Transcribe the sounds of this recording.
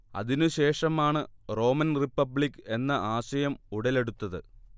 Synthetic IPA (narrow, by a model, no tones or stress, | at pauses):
ɐ̰ðinuɕe̞ːʂɐmaːɳɨro̞ːmɐnripːɐbɭikːe̞nːɐʔaːɕɐjɐmuɽɐle̞ɽut̪ːɐðɨ̰